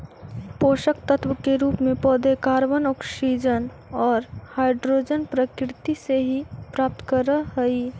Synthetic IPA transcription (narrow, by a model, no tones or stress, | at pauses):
poːʃəkt̪ət̪ʰwəkeɾuːpmẽpɔd̪ekaːɾʋənɔːksid͡ʒən | ɔːɾhaːɪɖɾoːd͡ʒənpɾəkɾɪt̪iseɦipɾaːp̚t̪kəɾəɦɦəi